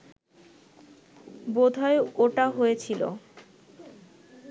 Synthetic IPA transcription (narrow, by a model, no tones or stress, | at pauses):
bod̪ʱɔeoʈaɦojet͡ɕʰilo̰